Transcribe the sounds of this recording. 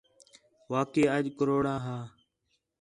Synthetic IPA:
ʋaːkeːəʄkəɾoːɽaːɦaː

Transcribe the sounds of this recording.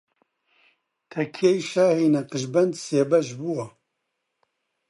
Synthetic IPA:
t̪ʰɛkʰejʃaːhiːnɛqɨʒbɛnd̪seːbɛʒbuwa

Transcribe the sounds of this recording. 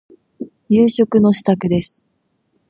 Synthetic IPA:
jɯːɕo̞kɯ̟no̞ɕi̥t̪akɯ̟d̪e̞sɨ̥

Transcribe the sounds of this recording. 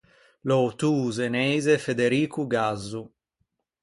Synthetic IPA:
lot̪uːzenɛjzefed̪eɾiːkuɡazːu

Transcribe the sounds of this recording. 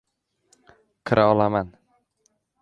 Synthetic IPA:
qʰɨɾʔaɒlaman

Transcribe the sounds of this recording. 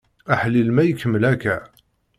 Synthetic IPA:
æħlːilmæjəkːəmːəlækæ

